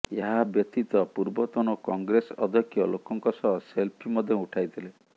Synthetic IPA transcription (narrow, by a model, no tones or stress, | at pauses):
eɦabjɔt̪it̪ɔpuɾbɔt̪ɔnɔkɔŋɡɾesɔd̪ʱɔkʰjɔlokɔŋkɔsɔɦɔselpʰimɔd̪ʱjɔuʈʰajt̪ʰile